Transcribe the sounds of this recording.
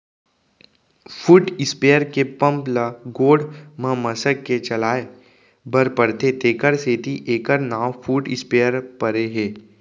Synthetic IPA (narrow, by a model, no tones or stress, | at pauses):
fʰuːʈɪspeːəɾkepə̃mpləɡoːɖmə̃məsəkːet͡ʃɐlaːe | bəɾpəɾt̪et̪eːkəɾseːt̪iʔeːkəɾnaːwfuːʈɪspeːəɾpəɾeɦeː